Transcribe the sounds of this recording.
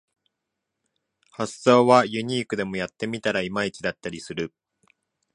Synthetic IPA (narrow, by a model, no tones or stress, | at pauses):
hasːo̞ːβajɯ̟ɲ̟iːkɯ̟d̪e̞mo̞jat̪ːe̞mʲit̪aɾaimait͡ɕid̪at̪ːaɾʲisɨɾɯ